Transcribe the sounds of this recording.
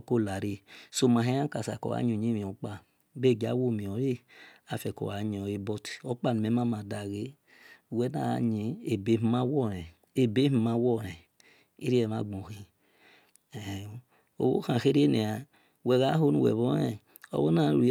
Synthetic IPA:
ko˦˨la˨ɾe˦so˦˨ma˨ɦe˦ã˦ka˨sa̰˨kɔ̰˨a̰˨˦ɲ˦o˨ɲi˦mi˨ɔ˨˦k͡pa˦˨ | be˦˨ɡa˨˦wo˦˨mi˨ɔ˨˦e˦a˨fɛ˨kɔ̰˨wa˨˦ɲ˨ɔ˨je˦bɔ˦ti̥˨ɔ˦k͡pa˦˨nu˨me˨˦ma˦ma˨da˨ɣe˦˨ | wɛ˦na˦˨a̰˨ɲi˨˦e˨be˨˦mi˦ma˦wɔ˦˨ɾɛ˨ | e˦be˦i˦ma˧˦wɔ˦˨ɾɛ˨ | i˦ɾi˦ɛ˨ma˨ɡ͡bo˨hi˦˨ | o̰˨bo̰˦hã˨xe˦ɾe˦ne˨a˨ | wɛ˨ɣa˦o˦nu˨wɛ̰˨βɔ˦ɛ˦ | ɔ̰˦βo˦na˦˨u˨ɾi˨˦

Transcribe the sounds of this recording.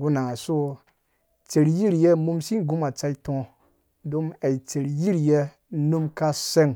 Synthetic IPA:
ɡu˦na˨ŋa˨so˦ | t͡se˨ɾji˦ɾje˦mu˧˦msi˦˨ɡu˦ma˨t͡sa˦i˦tõ˧˨ | do˦ma˨i˨t͡se˨ɾji˦ɾje˦ | nu˦mka˦se˦ŋ

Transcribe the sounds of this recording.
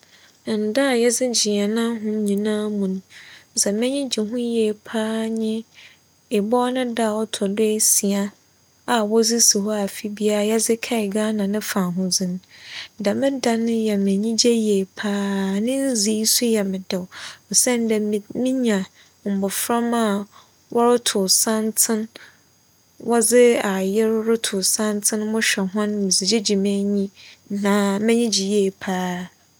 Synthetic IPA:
n̩˨da˦˨jɛ˦d͡zɪ˦d͡ʑi˨ɛ˨nã˦ɦʊ̃˦ɲĩ˨nãː˦mũ˨ñ̩˦sɛ˨mɪ̃˦ɲɪ̃˦d͡ʑi˨ɦʊ̃˦jɛ˨pʰaː˦ɲɪ̃˦ | ɪ˨bɔː˦nɪ̃˦da˦˨wɔ˦tʰɔ˨de˦˨si˨a˦ | a˨wɔ˦d͡zi˦si˨ɦɔ˦a˨fi˦bi˦a˦a˨jɛ˦zɪ˦kʰɛ˦ɪ˨ɡaː˦nã˨nɪ̃˦fã˨ɦʊ̃˦d͡zɪ̃˨ñ˦˨da˨mɪ̃˦da˦nɪ̃˦jɛ˨mɪ̃˨ɲĩ˦d͡ʑɛ˦je˨pʰaː˦nɪ̃˦n̩˦zi˦su˦jɛ˨mɪ̃˨dɛ˨wɔ˨sɛ̃˦n˦dɛ˨mĩ˦ɲã˨ | m̩˨bʊ˨fɾa˦ma˦˨ | wʔɔ˦ɾʊ˦tʰʊ˨sã˦ntʰɪ̃˦n | wɔ˦d͡zɪ˦a˨jɪ˦ɾɾʊ˦tʰʊ˨sã˦ntʰɪ̃˦n˦mʊ̃˦ɕᶣɛ˨ɦʊ̃˦nmĩ˨zi˨d͡ʑe˦d͡ʑi˨mẽ˦ɲĩ˦nã˨mɪ̃˦ɲĩ˦d͡ʑi˨jeː˨pʰaː˦

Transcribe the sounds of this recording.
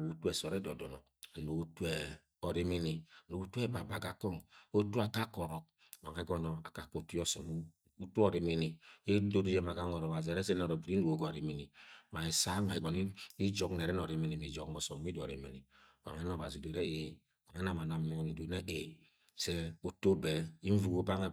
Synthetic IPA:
o˨u˦tu˦ɛ˨sɔ˨ɾɛ˦dɔ˨dɔ˨nɔ˨ | no˨u˦tu˦ɛ˨ | ɔ˨ɾi˦mi˦ni˨no˨u˦tu˦ɛ˦ba˨ba˨ɡa˨kɔ˦˨ŋo˦tu˦a˨ka˦kɔ˨ɾɔ˨k̚ | ma˨ŋɛ˦ɡɔ˦nɔ˨a˨ka˨ko˨tu˦jɔ˦sɔ̰˨m˦ | u˦tu˦ɔ˨ɾi˨mi˦ni˨i˦do˦du˦jɛ˦ma˨ɡa˦ŋɔ˨ɾɔ˨βa˨zi˨ɛ˨ɾɛ˦sɛ˦n˦ɔ˨ɾo˨bi˨ɾi˦nu˨o˦ɡɔ˦˨ɾi˨mi˨ni˨ma˨i˨sa˦ma˨i˨ɡɔ˨ni˦i˦d͡ʒɔ˦kn˨ɛ˨ɾɛ˦nɔ˨ɾi˨˦mi˦ni˨mi˨d͡ʒɔ˨kmɔ˨sɔ˨m˦i˦dɔ̰˨ɾḭ˨mi˨ni˨ | ba̰˨ŋɛ˦n˦ɔ˨ba˨zi˨de˨ɾɛ˦e˨ | ma˨ŋɛ˦na˨ma˨na˨mɛ˨˦˨ni˨de˨nɛ˦ʔe˨ | sɛ˦o˦to˦bɛ˨i˦ɱ̩˦vu˨ɡo˦ba˦ŋ˦

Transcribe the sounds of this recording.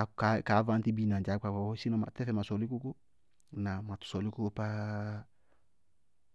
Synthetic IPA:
a˨ka˨˦ka˨˦va˦nti˦bi˦na˨d͡ʒa˨˦kʷa˨ka˨wɔ˦si˦nɔ˨ma̰˨tɛ˦fɛ˨ma˨sɔ˨li˦ku˦ku˦ | na˨ma˨tu̥˨sɔ˨li˦ku˦pa˦

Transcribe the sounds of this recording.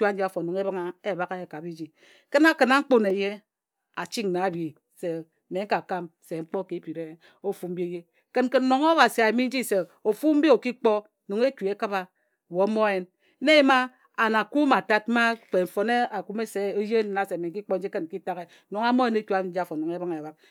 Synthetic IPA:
t͡ʃu˦a˦n̩˦d͡ʒi˦a˨fo˨no˨ŋe˦ba˦ŋa˦e˦˨ba˦ke˦e˨ka˨bi˦d͡ʒi˨ | ke˦na˦ke˨na˦ŋ͡m̩˦k͡po˦ne˨je˦ | a˨t͡ʃi˦ŋna˨˦bi˨ | se˨ | me˨˦ŋ̩˦ka˨ka˦mse˨ŋ͡m̩˦k͡pɔ˦ke˨˦pi˨ɾe˦ | o˦fu˦m̩˦bi˦e˦je˦ | ke˦n˦ke˦n̩˦no˨ŋa˦ba˨si˨a˨mi˦n̩˦d͡ʒi˦se˨ | o˨fu˦m̩˦bi˦o˨ki˦k͡pɔ˦˨ | no˨ŋe˦ku˨e˦ka˦ba˨ | wo˨˦mo˦e˦n˦ | ne˦ma˦ | a˨na˨ku˦ma˨ta˦t̚ma˦k͡pe˨ɱ̩˨fo˨ne˦a˨ku˦me˦se˦o˦je˦n˨na˨se˨me˨ŋ̩˦ki˦k͡pɔ˦n̩˦i˦ke˦n̩˨ki˦ta˦ɣe˦˨no˨ŋa˦mo˦je˨˦ne˦ku˦a˨˦n̩˦d͡ʒi˦a˦˨fo˨no˨ŋe˦ba˦ŋ˨ba˨k̚

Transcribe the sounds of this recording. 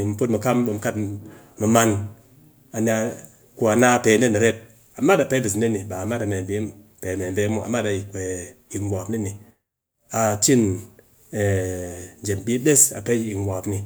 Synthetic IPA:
m̩˨po˦t̚mu˨ka˦mɓo˧m˨ka˦t | mɨ˨ma˧n | a˨n˨a˧ | ku˦a˨na˦˧˨pe˨ne˦ni˨ɾe˦t̚ | a˨ma˦da˨pe˦bi˨sne˦ni˨ba˨ma˦da˨me˨m˨bi˦m | pe˨me˨be˦mu˦a̰˨ma˦da˨ji˨ke˨ | i˨wʷa˨pni˦ni˨ | a˨t͡ʃi˦n | e˨ | d͡ʒe˨m˨bi˦ɗe˦sa̰˨pe˦i˨wʷa˨pni˨

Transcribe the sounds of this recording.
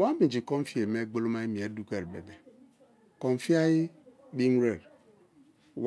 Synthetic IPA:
wa˦mĩ˨d͡ʒi˨kɔ˦n˦fi˦e˨me˦ɡ͡bo˦lo˦ma˦i˦mi˨e˨˦du˦ke˨ɾbḛ˨be˨ | kɔ˨n˨fi˦a˦ji˦ | bi˦m˦ɾe˨ɾ | w

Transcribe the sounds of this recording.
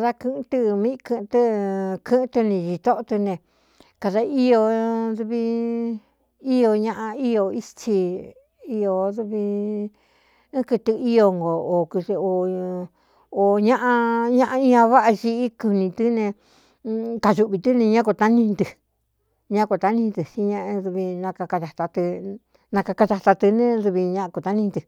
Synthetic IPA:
a˨ða˦kɨ̃˧t̪ɨ˧mĩ˦˧kɨ̃˧t̪ɨ˦kʰɨ̃˦t̪ɨ˧nĩ˧ʒi˧t̪o˦ʔo˧t̪ɨ˧nẽ˧ | ka˧ða˧i˦o˧ðu˧βi˧ | i˦o˧ɲã˦˧ʔã˧i˦jo˧i˦st͡ʃi˧ | i˧o˧ðu˧βi˧˦ | kɨ˧t̪ɨ˧i˦o˧ŋɡo˨o˨kɨ˧to˨ | o˨ɲã˦ʔã˧ɲã˦ʔã˧ĩ˦ã˧βa˦ʔa˧ʒi˧i˦ku˧nĩ˧t̪ɨ˦nẽ˧ | ka˧ʒu˧ʔβi˧t̪ɨ˦nẽ˧ɲã˦ko˧t̪a˦nĩ˧nd̪ɨ˧˨ | ɲã˦ko˧t̪a˧nĩ˧t̪ɨ˨si˧˦ɲã˧ʔðu˧βi˧nã˧ka˧ka˧ða˨t̪a˧t̪ɨ˧ | nã˧ka˧ka˧ða˧t̪a˧t̪ɨ˧nẽ˦ðu˧βi˧ɲã˦˧ko˧˨t̪a˦nĩ˧nt̪ɨ˧

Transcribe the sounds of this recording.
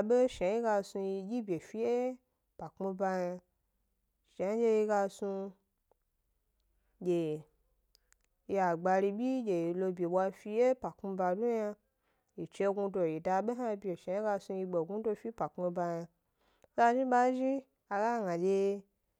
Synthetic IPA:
ɓe˦ʃa˨˦i˦ɡa˧su˧ji˧ɡʲi˦bʲe˨fi˧je˦ | pa˨kmu˧ba˧ja˧ | ʃa˨˦d͡ʒe˧ji˧ɡa˧su˧ | d͡ʒʲe˨ | ji˧a˨ɡ͡ba˧ɾi˧bʲi˦d͡ʒe˨i˨lo˧bʲe˨ɓʷa˧fi˧je˦pa˨kmu˧ba˧du˦ja˧ | ji˨t͡ʃe˧ɡu˧do˧˨ji˨da˧ɓe˦ɦa˦˧bʲe˨ʃa˨i˦ɡa˧su˧ji˧ɡ͡be˨ɡu˦do˧fi˦pa˨kmu˧ba˧ja˧ | za˧ʒi˦ɓa˦ʒi˦ | a˧ɡa˦ɡã˨d͡ʒe˧

